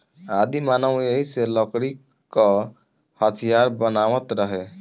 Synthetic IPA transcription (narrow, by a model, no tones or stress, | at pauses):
ad̪imanɔwejselɔkɾikː | ɔ | hɔt̪ʰijaɾbɔnawɔt̪ɾɔɦe